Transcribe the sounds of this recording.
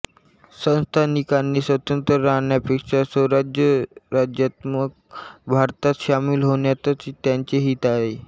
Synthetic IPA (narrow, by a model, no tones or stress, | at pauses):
sə̃w̃st̪ʰanikanːiːsʋət̪ənt̪əɾanjapekʂasəwɾad͡ʑjəɾad͡ʑjat̪mək̚bʱaɾt̪at̪ɕamilɦoɳjat̪ət͡st̪jaɲt͡seɦiːt̪aɦe